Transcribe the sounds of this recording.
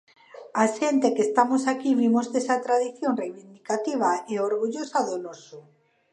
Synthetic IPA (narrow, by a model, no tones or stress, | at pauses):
aʃent̪ekest̪amosakiβimozðesat̪ɾaðiθjonrejβind̪ikat̪iβ̞aeoɾɣuʎosaðonoso